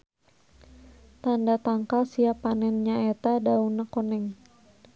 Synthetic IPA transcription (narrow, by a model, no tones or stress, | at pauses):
t̪andat̪aŋkalsiapanɛnɲaɛt̪adaunakonɛŋ